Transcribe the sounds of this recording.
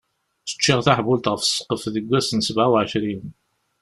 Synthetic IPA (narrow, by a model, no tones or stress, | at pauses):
θə̥t͡ʃːiʁθaħbʊlt̪ʁəfsːqːəfðəɡʷːæsənsəbʕawʕəʃɾin